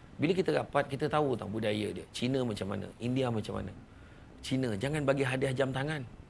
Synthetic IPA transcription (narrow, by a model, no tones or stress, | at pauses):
biləkit̪ədapat̪̚kit̪ət̪aut̪a̰budajədiə̰t͡ʃinə̃mãt͡ʃamːa̰nə̰̃ʔindiamat͡ʃamːa̰nə̰̃ | t͡ʃinə̃d͡ʒaŋanbaɡiɦadiahd͡ʒamt̪aŋan